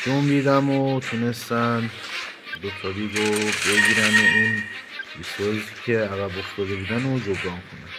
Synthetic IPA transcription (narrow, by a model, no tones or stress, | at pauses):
d͡ʒombiːd̪æmot̪ʰunest̪æn | d̪okt̪ʰɒɾiːbobe̞ɡiːɾæmoin | bisozsicʲʰeæɣæboft̪ɒːd̪ebud̪ænod͡ʒobɾɒːŋkʰonæm